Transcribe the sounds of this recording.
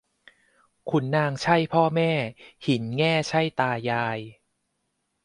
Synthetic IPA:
kʰu˧nːaː˧ŋt͡ɕʰa˥˩jpʰɔː˥˩mɛː˥˩hi˩˦nŋɛː˥˩t͡ɕʰa˥˩jt̪aː˧jaː˧j

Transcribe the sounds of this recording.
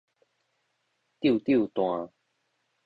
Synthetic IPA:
t̪ji˥˨t̪ji˥˨t̪w̃ã˨˩

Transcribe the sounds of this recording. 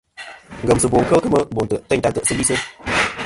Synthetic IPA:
ŋɡə˨msə˨bo˨ŋkə˦kə˦mə˦bo˨ntə˨tə˦ɲ˨ta˨tə˨ʔsə˦bi˦sə˦

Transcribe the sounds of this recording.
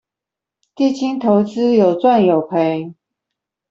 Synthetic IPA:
t̪i˥˨t͡ɕi˥nt̪ʰo˧˦ʊt͡sɹ̩˦jo˨˩ʊt͡swa˥˨njo˨˩ʊpʰe˨˦ɪ

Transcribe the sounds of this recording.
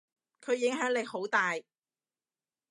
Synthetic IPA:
kʰɵ˨˧ɥjɪ˨˥ŋɦœː˨˥ŋlɪ˨˧kho˨˥wt̪aː˨j

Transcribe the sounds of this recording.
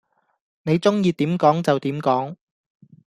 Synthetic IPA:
ne˨˧jt͡sʊ˥ŋjiː˧t̪iː˨˥mkɔː˨˥ŋt͡sɐ˨wt̪iː˨˥mkɔː˨˥ŋ

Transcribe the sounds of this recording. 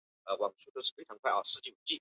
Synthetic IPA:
ə˧wɑ˨˩ŋʂu˥t̪o˥ʊʂɻ̩˥˩fe˥ɪʈ͡ʂʰɑ˧˥ŋkʰwa˥˩ɪʔɑ˥˩ʂɻ̩˥˧˩t͡ɕi˥˩u˧˥˩t͡ɕi˥˩

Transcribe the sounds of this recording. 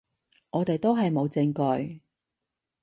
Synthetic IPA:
ŋɔː˨˧t̪e˨jt̪o˥wɦɐ˨jmo˨˧wt͡sɪ˧ŋkɔ˧j

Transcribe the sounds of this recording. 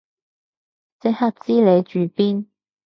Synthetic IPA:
t͡sɪ˥ha˥t̚t͡siː˥le˨˧jt͡ʃyː˨piː˥n

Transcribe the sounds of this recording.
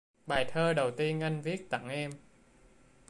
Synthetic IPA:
ɓaː˨˩jt̪ʰəː˧ɗə˨˩wt̪i˧ənʔa˧jŋ̟vi˦˥ək̚t̪a̰˧˥ŋʔɛ˧m

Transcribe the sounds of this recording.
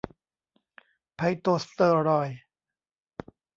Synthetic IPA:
pʰa˧˩jt̪oː˧st̪ɤː˧ɾɔː˧˩j

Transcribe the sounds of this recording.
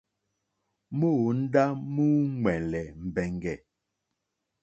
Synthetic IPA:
mo˦˨n̩˦da˦mu˦ŋwɛ˨n˨lɛ˨m̩˨bɛ˨ŋɡɛ˨

